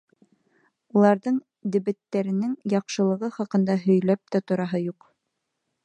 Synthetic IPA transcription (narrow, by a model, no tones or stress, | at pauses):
ulˠɑɾðɤɴ | d̪ɘ̆βɘ̆t̪ːæɾɘ̆nɘŋjɑqʃɤ̆lˠɤ̆ʁɤχɑqɤ̆nd̪ɑɦɵ̆jlæp̚t̪æt̪ŏɾɑɦɤjuq